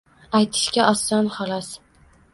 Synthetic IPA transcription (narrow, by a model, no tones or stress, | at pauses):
ajt̪ʰɪ̥ʃkʲaʔɒst̪anχɒlɒs